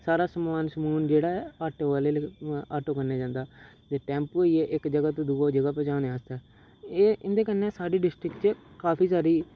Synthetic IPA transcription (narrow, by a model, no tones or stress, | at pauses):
saːɾaːsəmːaːnsəmuːnd͡ʒeːɽaːɛːaːʈoʋaːleːlːaːʈoːkəɾnaːd͡ʒãːnd̪aː | d͡ʒ̪eːʈɛ̃ːmpoːiːɛːʔɪkd͡ʒəɡaːt̪õːd̪uːaːd͡ʒəɡaːpɛt͡ʃãːnẽaːst̪aː | eːʔɪnd̪eːkənːẽːsaːɖiːɖɪsʈɾɪkt͡ʃəkaːpʰiːsaːɾiː